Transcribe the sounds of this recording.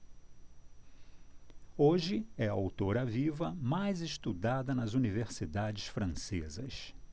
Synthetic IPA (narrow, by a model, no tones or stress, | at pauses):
oʒɪɛɐawt̪oɾɐvivɐmajzɪʃt̪ud̪ad̪ɐnɐzuniveɾsid̪ad͡ʒɪsfɾɐ̃sezɐs